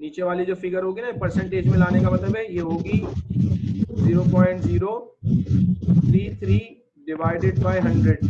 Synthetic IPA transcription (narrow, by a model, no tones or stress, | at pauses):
niːt͡ʃeʋaːlid͡ʒoːfɪɡəɾɦoːɡinapɐɾsɛ̃ɳʈeːd͡ʒmẽlaːnekamɐt̪ləbɦɛjeɦoːɡiː | ziːɾopɔ̃ːɪ̃ɳʈziːɾo | t̪ʰɾiːt̪ʰɾiː | ɖɪʋaːɪɖɪɖ̚baːɪɦɐ̃ɳɖɾeɖ